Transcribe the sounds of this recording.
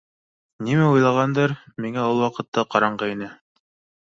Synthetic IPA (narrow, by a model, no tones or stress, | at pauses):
nimæujlˠɑʁɑnd̪ɤɾmiŋæulˠwɑqɤ̆t̪ːɑqɑɾɑɴɢɑinɘ